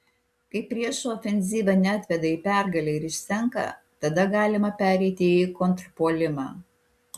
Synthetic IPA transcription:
kɐɪpʲɾʲiɛʃɔːfʲɛnʲzʲiːʋʲɐnʲɛat̪ʲʋʲɛd̪ɐiːpʲæɾɡɐlʲɛɪɾɪʃʲsʲɛŋkɐ̰ | t̪ɐd̪ɐɡɑːlʲɪmɐpʲæːɾʲɛɪt̪ʲɪːkɔnt̪ɾpoːlʲɪmɑ̰ː

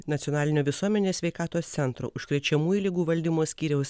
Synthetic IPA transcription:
nɐt̪ʲɔnɑːlʲɪnʲoːʋʲɪsuɔmʲɛnʲeːsʲʋʲɛɪkɑːt̪oːst̪sʲɛnt̪ɾo̰ːʔʊʃkɾʲɛt͡ʃʲɛmuːjuːlʲɪɡuːʋɐlʲd̪ʲɪmoːsʲkʲiːɾʲɛʊs

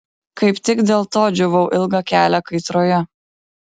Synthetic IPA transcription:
kɐɪpt̪ʲɪkd̪ʲeːlˠt̪oːd͡ʒʲʊʋɐʊʔɪlˠɡɐkʲæːlʲækɐɪt̪ɾoːjɛ

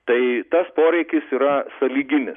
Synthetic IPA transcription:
t̪ɐɪt̪ɐspoːɾʲɛɪkʲɪsiːɾɐsɐlʲiːɡʲɪnʲɪ

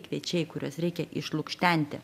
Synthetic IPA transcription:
kʋʲiɛt͡ʃʲɛɪkʊɾʲuɔsɾʲɛɪkʲɛʔɪʃlˠʊkʃʲt̪ʲɛˑnʲt̪ʲɪ̰

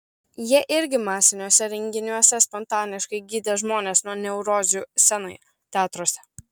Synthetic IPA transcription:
jiɛʔɪɾʲɡʲɪmɑːsʲɪnʲuːsʲɛɾʲɛŋʲɡʲɪnʲuɔsʲɛspɔnt̪ɑːnʲɪʃkɐɪɡʲiːd̪ʲɛʒmoːnʲeːsnuɔnʲɛʊɾoːzʲuːsʲɛnɐɪ | t̪ʲæːt̪ɾoːsʲɛ

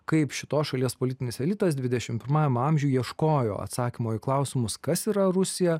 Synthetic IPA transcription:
kɐɪpʃʲɪt̪oːsʃɐlʲiɛspoːlʲɪt̪ʲɪnʲɪsɛlʲɪt̪ɐsd̪ʲʋʲɪd̪ʲɛʃʲɪmpʲɪɾmɑːjɛmɐmʲʒʲuːjiɛʃkoːjo̰ːɐ̰t̪sɑːkʲɪmoːɪklˠɐʊsʲɪmʊskɐsiːɾɐɾʊsʲɪjɛ

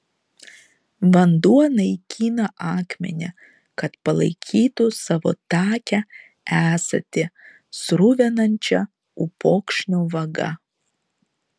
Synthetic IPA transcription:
ʋɐnd̪uɔnɐɪkʲʰiːnɐʔɑːkmʲɛ̰nʲɛ | kɐt̪pɐlˠɐ̰ɪkʲʰiːt̪ʊsɑːʋo̰ːt̪ɑːkʲɛ | æːsɐ̰t̪ʲɪ | sɾʊʋʲɛnɐnʲt͡ʃʲɛ | ʊpoːkʃʲnʲoːʋɐɡɐ̰

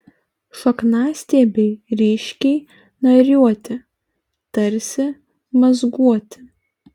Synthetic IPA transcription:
ʃɐknɑːsʲt̪ʲeːbʲɛɪɾʲiːʃʲkʲɛɪ | nɐɾʲuɔt̪ʲɪ | t̪ɐɾʲsʲɪ | mɐzɡuɔt̪ʲɪ̥

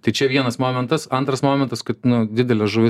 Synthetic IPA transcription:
t̪ɐɪt͡ʃʲɛʋʲiɛnɐsmoːmʲɛnt̪ɐsɐnt̪ɾɐsmoːmʲɛnt̪ɐskɐt̪nʊd̪ʲɪd̪ʲɛlʲɛsʒʊʋʲɪ

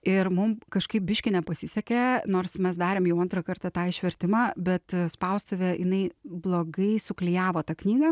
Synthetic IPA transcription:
ɪɾmʊmkɐʃkɐɪp̚bʲɪʃʲkʲɪnʲɛpɐsʲɪsʲɛkʲɛnoːrsmʲɛsd̪ɑːɾʲeːmjɛʊɐnt̪ɾɐkɐɾt̪ɐt̪ɑːɪʃʲʋʲɛɾʲt̪ʲɪmɑːbʲɛt̪spɐʊst̪oʋʲejɪnɐɪblˠoːɡɐɪsʊklʲɪjæːʋoːt̪ɑknʲiːɡɐ

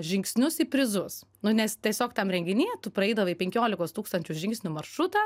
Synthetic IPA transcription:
ʒʲɪŋksʲnʲʊsipʲɾʲɪzʊs | nʊnʲɛst̪ʲiɛsʲoːkt̪ɐmɾʲɛŋʲɡʲɪnʲiːt̪ʊpɾɐɛɪd̪ɐʋɐipʲɛŋʲkʲoːlʲɪkoːst̪uːkst̪ɐnʲt͡ʃʲʊʒʲɪŋksʲnʲʊmɐrʃɾʊt̪ɑː

